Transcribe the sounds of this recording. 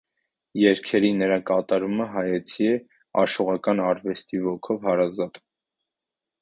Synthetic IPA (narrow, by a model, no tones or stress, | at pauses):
jɛɾkʰɛɾinəɾɑkɑt̪ɑɾuməɦɑjɛt͡sʰiɛ | ɑ̰ʃɔʁɑkɑnɑɾvɛst̪ivɔkʰɔvhɑɾɑzɑt̪